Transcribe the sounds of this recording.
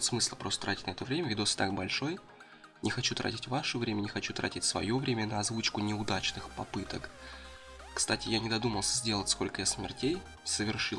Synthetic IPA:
t̪smɨslˠəpɾost̪ət̪ɾatʲɪtʲnɐɛt̪əvɾʲemʲəvʲɪd̪osʲt̪ak̚bɐlʲʂo̞j | nʲʔɪxɐt͡ɕut̪ɾʔa̰tʲɪtʲvaʂəvɾʲemʲənʲɪxɐt͡ɕut̪ɾa̰tʲɪtʲsvɐ̰jo̞vɾʲemʲənəɐzvut͡ɕkʊnʲɪʊd̪at͡ɕnɨxpɐpɨt̪ək | kst̪atʲɪjanʲɪd̪ɐd̪uməlˠsʲəzʲdʲe̞lˠətʲskolʲkəjasmʲɪ̰rtʲej | səvʲɪrʂɨ

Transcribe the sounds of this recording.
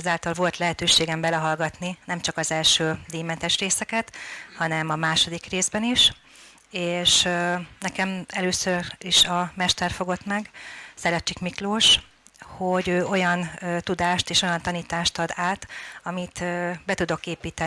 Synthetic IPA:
ɛzaːlt̪ɒlvo̞lt̪lɛɦɛt̪øːʃeːɡɛmbɛlɛɦɒlɡɒt̪ninɛmt͡ʃɒkɒzɛlʃøːd̪iːmɛnt̪ɛʃreːsɛkɛt̪hɒnɛmɒmaːʃo̞d̪ikreːzbɛniʃ | eːʃnɛkɛmɛløːsøriʃɒmɛʃt̪ɛrfo̞ɡo̞t̪mɛɡsɛlɛt͡ʃːikmikloːʃ | hoɟøːo̞jɒnːt̪ud̪aːʃt̪eːʃo̞jɒnt̪ɒniːt̪aːʃt̪ɒd̪aːt̪ɒmit̪ːbɛt̪ud̪o̞keːpiːt̪ɛ

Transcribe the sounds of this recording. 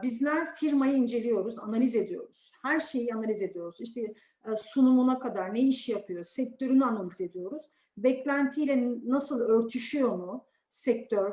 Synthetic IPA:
bizlʲæɾfiɾmajɯind͡ʒe̞lʲijo̞ɾuza̰nalʲize̞d̪ijo̞̰ɾuz̥hæɾʃe̞jianalʲize̞d̪ijo̞ɾuziʃt̪ʰɛ | sunumunakʰad̪aɾneiʃjapʰɯjosɛc̚t̪ʰø̞ɾynyanalʲize̞d̪ijo̞ɾuz̥ | bɛclʲænt̪ʰijlʲɛnasɯlˠøɾt̪ʰyʃyjo̞mu | sɛk̚t̪ʰøɾ̥

